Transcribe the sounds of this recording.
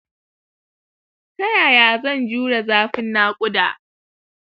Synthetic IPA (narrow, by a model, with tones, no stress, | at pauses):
sɐ˦jaː˨jaː˨zɐ˦˨nd͡ʒuː˦ɽa˨zaː˦ɸɪ˦nːaː˦kʷʼʊ˦daː˨ʔ